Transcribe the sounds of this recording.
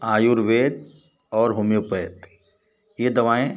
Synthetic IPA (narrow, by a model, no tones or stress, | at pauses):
aːjuɾʋeːd̪ | ɔːɾɦʊmjopɛːt̪ | jed̪ɐʋaːẽ